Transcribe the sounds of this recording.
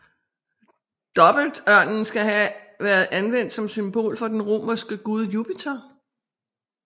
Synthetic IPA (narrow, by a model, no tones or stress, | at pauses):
d̥ɒ̽b̥l̩d̥ɶɐ̰nn̩sɡ̥æɦæʋæɐð̞̩ˠʔænʋen̰d̥sɒ̽msymb̥o̝̰ːlfɒ̽d̥enʁo̝̰mɐsɡ̥əɡ̥uðˠjupʰit͡sʰɐ